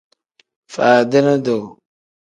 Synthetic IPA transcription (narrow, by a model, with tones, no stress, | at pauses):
faː˨də˦na˦do˨